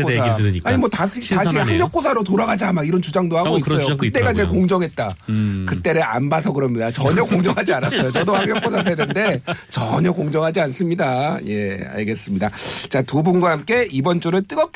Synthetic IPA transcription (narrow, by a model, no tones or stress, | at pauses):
sʰaaɲimwʌtasʰiaɕʰihaŋmjʌk͈osʰaɾotoɾaɡad͡ʑamaɡiɾʌnt͡ɕud͡ʑaŋdohaɡoisʌjokɯt͈e̞ɡat͡ɕe̞koŋd͡ʑʌŋɦet̚t͈akɯt͈e̞ɾɯʔa̰nbasʰʌkɯɾʌmɲidat͡ɕʌɲʌkoŋd͡ʑʌŋɦad͡ʑianas͈ʌjot͡ɕʌdohaŋjʌk͈osʰas̬ʰadende̞t͡ɕʌɲʌkoŋd͡ʑʌŋɦad͡ʑians͈ɯmɲidaje̞a̰ɭɡe̞s͈ɯmɲidat͡ɕatubunɡwaɦamk͈e̞ibʌnt͡ɕ͈uɾɯɭt͈ɯɡʌk̚